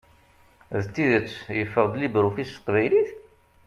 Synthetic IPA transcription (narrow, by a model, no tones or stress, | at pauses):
ðt̪ːiðət͡sːjəfːəʁd̪libɾufist̪qvæjliθ